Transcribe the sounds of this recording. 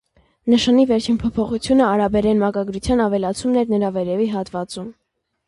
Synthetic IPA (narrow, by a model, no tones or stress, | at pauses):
nəʃɑnivɛɾt͡ʃʰinpʰɔpʰɔχut͡sʰjunəɑɾɑbɛɾɛnmɑkɑɡɾut͡sʰjɑnɑvɛlɑt͡sʰumnɛɾnəɾɑvɛɾɛviɦɑt̪vɑt͡sum